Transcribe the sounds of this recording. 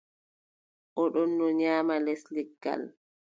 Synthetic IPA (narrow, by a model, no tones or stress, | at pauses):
ʔɔɗɔnːɔɲaːmalɛsliɡːa̰l